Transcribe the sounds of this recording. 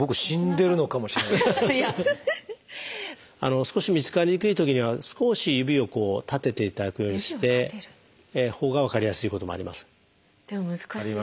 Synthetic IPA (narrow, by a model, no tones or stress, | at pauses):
bo̞kɯ̟ɕĩnd̪e̞ɾɯ̟no̞kamo̞ɕiɾea | a̰no̞sɨ̥ko̞ɕimʲit͡sɨ̥kaɲikɯ̟it̪o̞kʲiɲ̟iβasɨ̥ko̞ɕijɯ̟bʲio̞ko̞ːt̪at̪e̞t̪e̞it̪ad̪akɯ̟jo̞ːɲ̟iiɕi̥t̪e̞ | ho̞ːɡaβakaɾʲijasɨiko̞t̪o̞moa̰ɾʲḭmasɨ̥ | d̪̥mka